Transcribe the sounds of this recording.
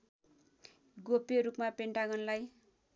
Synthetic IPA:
ɡopeɾupmapeɳʈaɡʌnlaj

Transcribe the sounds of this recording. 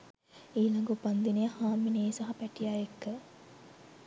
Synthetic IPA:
iːlɐŋɡupɐnd̪inijɐhaːmːineːsɐɦɐpæʈijaːjekːə

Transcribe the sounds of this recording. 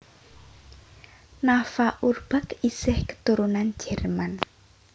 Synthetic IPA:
nafaʔurb̥a̤kisɪhkə̥t̪uɾunan̥d͡ʒ̥ɛrman

